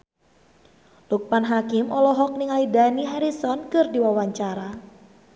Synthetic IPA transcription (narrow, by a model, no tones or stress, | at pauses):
luk̚panɦakɪmɔlɔɦɔk̚niŋalidaniɦaɾisɔnkɨrdiwawaɲt͡ʃaɾa